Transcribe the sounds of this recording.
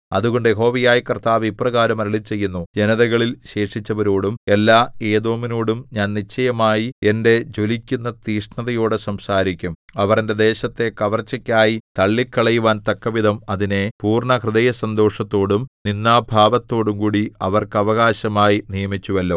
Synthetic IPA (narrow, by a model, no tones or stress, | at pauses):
ɐðuɣo̞ɳɖɨeɦo̞ːʋijaːjikɐrt̪aːʋiprɐɣaːɾɐmɐɾɐɭit͡ɕːe̞jːunːud͡ʑenɐðɐɣɐɭilɕe̞ːʂit͡ɕːɐʋɐɾoːɽumelːaːe̞ːðo̞ːmino̞ːɽumɲaːnnit͡ɕːɐjɐmaːjiende̞d͡ʑo̞likʲːunːɐt̪iːʂɳɐðɐjo̞ːɽɨsɐmsaːɾikʲːumɐʋɐrende̞d̪e̞ːɕɐt̪ːe̞kɐʋɐrt͡ɕːɐkʲːaːjit̪ɐɭːikːɐɭɐjuʋaːnt̪ɐkːɐʋid̪ʱɐmɐðine̞puːrɳɐkrɨðɐjɐsɐnd̪o̞ːʂɐt̪ːo̞ːɽumninːaːbʱaːʋɐt̪ːo̞ːɽumkuːɽiɐʋɐrkɨɐʋɐɣaːɕɐmaːjinijɐmit͡ɕːuʋɐlːo̞ː